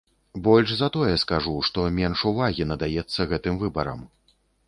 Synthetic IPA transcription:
bɔlʲʂzɐt̪ɔjɛskaʐuʂt̪ɔmʲɛnʂuvaɣʲinɐd̪ajɛt̪sːɐɣɛt̪ɨmvɨbɐɾɐ̰m

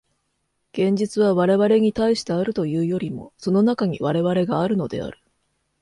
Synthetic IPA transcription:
ɡ̥ẽ̞ɲ̟d͡ʑit͡sɨβaβaɾe̞βaɾe̞ɲ̟it̪aiɕi̥t̪e̞aɾɯ̟t̪o̞jɯːjo̞ɾʲimo̞̰so̞no̞nakaɲ̟iβaɾe̞βaɾe̞ɡaːɾɯ̟no̞d̪e̞̰a̰ɾɯ̟̥

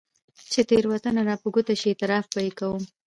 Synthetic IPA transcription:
t͡ʃet̪eɾwat̪anaɾɑpəɡut̪aʃiet̪ɪɾɑfbajekawəm

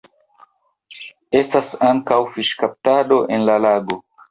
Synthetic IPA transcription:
e̞stasaŋkawfiʃkap̚tado̞ʔe̞nlalaɡo̞

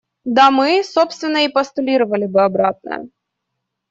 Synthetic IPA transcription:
d̪amɨso̞pst̪vʲɪnːəipɐst̪ʊlʲiɾəvɐlʲɪbɨɐbɾat̪̚nə̰jə̰

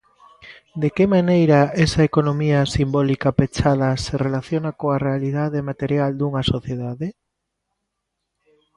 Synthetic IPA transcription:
d̪ekemanejɾɐɛsɐekonomiɐsimbɔlikɐpet͡ʃaðɐserelaθjonakoarealiðaðemat̪eɾjald̪uŋɐsoθjeðaðe

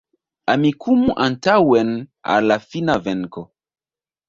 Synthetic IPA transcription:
amikʰumuʔantawena̰lafinaveŋko

